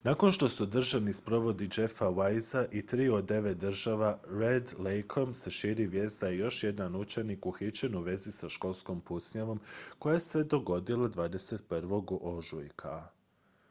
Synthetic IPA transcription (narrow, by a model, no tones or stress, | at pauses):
nako̞nʃt̪o̞sud̪r̩ʒaʋnispɾo̞ʋo̞d̪id͡ʒe̞fawajzaʔit̪ɾiːo̞d̪e̞ʋet̪̚d̪r̩ʒaʋaɾed̪lejkʰomse̞ʃiːɾiʋje̞ːsd̪aijo̞ʃje̞d̪anut͡ʃe̞nikuxit͡ɕe̞nuʋe̞zisaʃko̞lˠsko̞mpusɲaʋo̞mko̞jase̞d̪o̞ɡo̞d̪ilˠad̪ʋaːd̪e̞set̪̚pr̩ʋo̞ɡʔoʒujkʰa